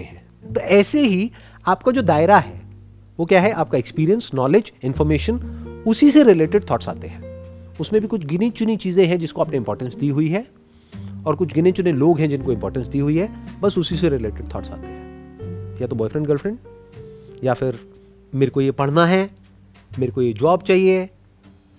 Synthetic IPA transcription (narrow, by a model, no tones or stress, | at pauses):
ɦɛ̃ː | t̪oʔɛːseɦi | aːp̚kad͡ʒoːd̪aːɪɾaɦɛː | ʋokjaːɦɛʔaːp̚kaekspiːɾijə̃nsnɔːlɪd͡ʒɪ̃nfɔːɾmeːʃənʊsiseɾɪleːʈɪɖ̚t̪ʰɔːʈsa̰ːt̪eɦɛ̃ːʊsmẽbʱikʊt͡ʃʰɡɪnet͡ʃʊnit͡ʃiːzẽɦɛ̃d͡ʒɪskoaːpneɪ̃mpɔːɾʈə̃nsd̪iːɦʊiɦɛː | ɔːɾkʊt͡ʃʰɡɪnẽt͡ʃʊneloːɡɦɛ̃d͡ʒɪnkoɪ̃mpɔːɾʈə̃nsd̪iːɦʊiɦɛːbɐsʊsiseɾɪleːʈɪɖ̚t̪ʰɔːʈsa̰ːt̪eɦɛ̃ːjat̪obɔːjfɾɛ̃ɳɖɡəlfɾɛ̃ɳɖ | jafɪɾ | meːɾekojepɐɽ̤naɦɛ | meːɾekojed͡ʒɔːbt͡ʃaːɦie